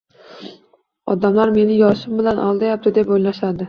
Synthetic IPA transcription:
ɒd̪amlaɾme̞nɪjɒʃɪmbɪlanʔɒlˠd̪ajap̚t̪ʰɪd̪e̞pojlaʃad̪ɪ

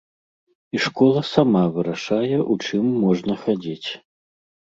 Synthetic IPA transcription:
iʂkɔlˠɐsamavɨɾaʂajɛʔut͡ʂɨmːɔʐnɐxad͡zʲit͡sʲ

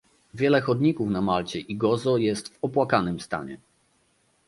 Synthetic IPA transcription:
vʲjɛlɛxɔd̪ɲikufnamalt͡ɕɛʔiɡɔzɔjɛst̪vɔpwakanɘmst̪a̰ɲɛ̰

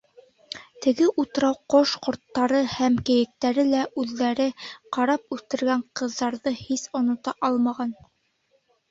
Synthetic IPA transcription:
t̪ɘ̆ɡɘʔut̪ɾɑwqoʃqŏɾt̪ːɑɾɤhæmkɘ̆jɘ̆k̚t̪æɾɘlæʔʉðːæɾɘqɑɾɑp̚ʉlt̪ɘ̆ɾɡæɴqɤ̆ðːɑɾðɤhisŏnŏt̪ɑʔɑlˠmɑʁɑn

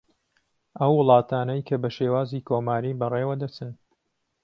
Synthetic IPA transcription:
ʔɐwːɨlˠɑːt̪ʰaːnɐjkʰɐbɐʃeːwaːziːkʰoːmaːɾiːbɐreːwɐd̪ɐt͡sɨn

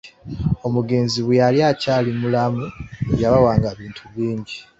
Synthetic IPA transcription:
o̞muɡe̞ːnziβjaljacaːlimulamueβjaβawaːŋɡaβiːntʰuβiːɲɟi

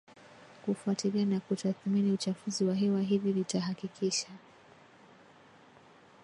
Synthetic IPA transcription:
kufuatilianakutaθminiut͡ʃafuziwaɦɛwaɦivivitaɦakikʰiʃa

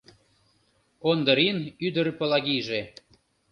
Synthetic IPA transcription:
ond̪ə̆ɾinyd̪ərpə̆lɑɣiʒe

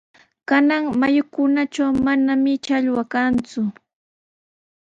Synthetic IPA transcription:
kanaŋmajʊkʊnat͡ʃawmanamɪt͡ʃaʎwakant͡sʊ

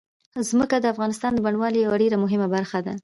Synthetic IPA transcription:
zməkad̪əafɣɑnɪst̪ɑnd̪əbaɳwɑlijawaɖeɾamʊɦɪmabaɾxad̪a

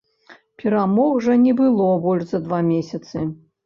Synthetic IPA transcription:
pʲɛɾamɔxʐɐnʲɛbɨlˠɔbɔlʲʐzɐd̪vamʲesʲɐt̪sɨ

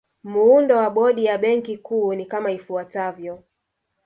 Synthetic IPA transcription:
muundɔwaɓɔɗijaɓɛŋkikuːnikamaifuatavjɔ

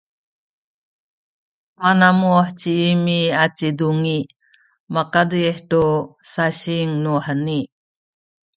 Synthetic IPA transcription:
manamuaħt͡ɕiimiat͡siduŋi | makadɯeħʈosaɕiŋnuħəni

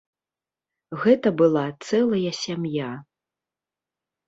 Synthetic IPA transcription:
ɣɛt̪ɐbɨlˠat̪sɛlˠɐjɐsʲamja

